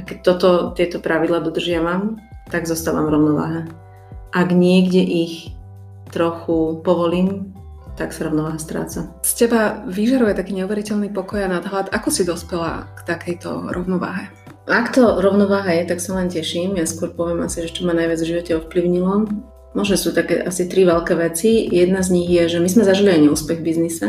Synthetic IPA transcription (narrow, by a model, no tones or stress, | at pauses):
akɛc̚t̪ɔt̪ɔt̪ɪɛt̪ɔpɾaʋid̪laːd̪ɔd̪r̩ʒɪaʋamt̪aɡzɔst̪aːʋa̰mvɾɔʊnɔʋa̰ːɦɛ | ʔaɡɲɪɛɡɟɛʔix | t̪ɾɔxupɔʋɔliːm | t̪aksaɾɔʊnɔʋaːɦast̪ɾa̰ːt͡sa | scɛbaʋiʒaɾujɛt̪akiːɲɛuʋɛɾicɛʎnipɔkɔjanad̪ɦlad̪akɔsid̪ɔspɛla̰kt̪akɛjt̪ɔ̰ɾɔ̰ʊnɔʋa̰ːɦɛ | akt̪ɔɾɔʊnɔʋaːɦajɛt̪aksalɛncɛʃiːmjaskʊɔɾpɔʋɪɛmasiʒɛt͡ʃɔmanajʋɪad͡zvʒiʋɔcɛɔfpliʊɲilɔm | mɔʒnɔsuːt̪akɛ̰ʔasit̪ɾiʋɛlkɛʋɛt͡sijɛd̪nazɲiɣjɛʒɛmizmɛzaʒiliaɲɛuːspɛɣbiznisɛ